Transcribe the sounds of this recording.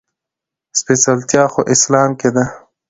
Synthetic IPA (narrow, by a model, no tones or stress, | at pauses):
spesalt̪jɑːxoʔɪslɑːmked̪a